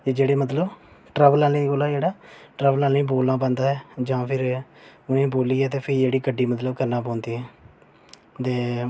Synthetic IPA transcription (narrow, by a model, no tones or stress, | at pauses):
ed͡ʒeːɽeːmət̪ləb | ʈɾɛːʋəlaːlĩːɡoːlaːd͡ʒeːɽaːʈɾɛːʋəlaːlĩːboːlãːpə̃ːnd̪aːɦɛːd͡ʒãːpʰɪɾʊnẽːboːliːɛːt̪eːpʰɪɾd͡ʒeːɽiːkəɖiːmət̪ləbkəɾnãːpɔ̃ːnd̪iːɦɛː | t̪eː